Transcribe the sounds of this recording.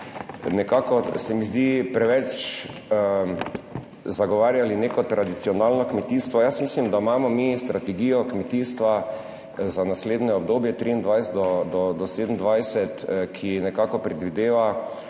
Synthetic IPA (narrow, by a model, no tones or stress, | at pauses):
nɛkaːkɔsɛmizd̪ipɾɛʋɛt͡ʃ | zaɡɔʋaːɾjalinekɔt̪ɾʔad̪it̪siɔnalnɔkmɛt̪ist̪ʋɔjasmislimd̪amaːmɔmist̪ɾat̪ɛɡiːjɔkmɛt̪iːst̪ʋa | zanasleːd̪nɛɔb̚d̪oːbjɛt̪ɾiːnd̪ʋajsɛt̪d̪ɔd̪ɔd̪ɔseːd̪n̩d̪ʋajsɛt̪kʰinɛkakɔpɾɛd̪ʋid̪eːʋa